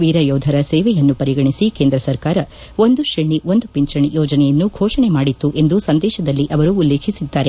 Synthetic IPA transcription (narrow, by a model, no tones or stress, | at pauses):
ʋiːɾɐjoːd̪ʱɐɾɐseːʋɛjɐnːupɐɾiɡɐɳisikeːnd̪ɾɐsɐɾkaːɾɐ | o̞nd̪uʃiɳio̞nd̪upiɲt͡ʃɐɳijoːd͡ʒɐnɛjɐnːuɡʱɔːʂɐɳemaːɽit̪ːuʔe̞nd̪usɐnd̪ɛːʃɐd̪ɐlːiʔɐʋɐɾuːlːe̞ːkʰisid̪ːaːɾe̞